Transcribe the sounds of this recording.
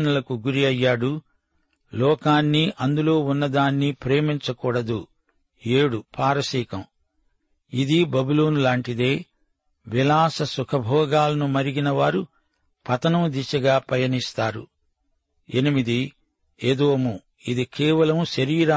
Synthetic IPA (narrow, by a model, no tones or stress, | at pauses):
nɐlɐkuɡuɾiɐjːaːɽu | lɔːkaːnːiʔɐnd̪ulo̞ːunːɐd̪aːnːipɾeːmiɲt͡ʃɐkuːɽɐd̪u | eːɽupʰaːɾɐsiːkɐm | id̪ibɐbuloːnulaːɳʈid̪e̞ː | ʋilaːsɐsukʰɐbʱɔːɡaːlɐnumɐɾiɡinɐʋaːɾu | pɐt̪ɐnɐmd̪iʃɐɡaːpɐjɐnist̪aːɾṵ | enimid̪i | ed̪oːmu | id̪ikɛːʋɐlɐmuʃɐɾiːɾa